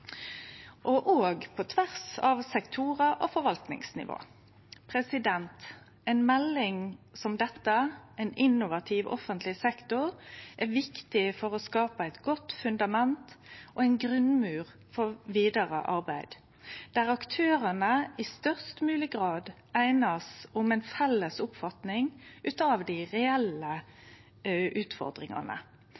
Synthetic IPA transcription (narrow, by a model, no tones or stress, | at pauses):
ʔoʔoːɡpʰɔt̪ʰʋæʁsɑʋsɛkt̪ʰuːʁəʔofɔɾʋɑlt̪nɪ̰ŋsnɪ̰ʋo̰ː | pʰʁɛsɪd̪ɛnt̪ | ɛɪnmɛlːɪŋsɔmd̪ɛt̪ːəʔɛɪnɪnʊʋɑt̪ʰɪʋɔ̰fənt̪ʰlɪsɛkt̪ʊʁʔæʋɪkt̪ɪfɔʁɔskɑːpəæɪt̪ɡɔt̪fʉnd̪ɑmɛnt̪ʔoɛɪnɡɾʉnmʉːʁ | fɔʁʋiːd̪əʁə̰ʔɑʁbæɪd̪̥ | d̪̥æːʁɑkt̪ʰøːɾənəɪst̪œʁst̪mʉːlɪɡʁɑːd̪ | æɪnəsʊmɛɪnfɛlːəsʊpfɑt̪nɪŋʉːt̪ɑːʋd̪ɪʁɛɛlə | ʔʉːt̪fɔ̰ʁd̪ʁɪ̰ŋɑ̰nə̰